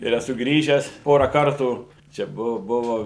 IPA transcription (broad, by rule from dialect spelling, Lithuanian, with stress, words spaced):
ɪr ɛˈsʊ ˈɡrʲiːʒʲæːs ˈpoːrɐ ˈkɐrtuː t͡ʃʲɛ ˈbʊʋoː ˈbʊʋoː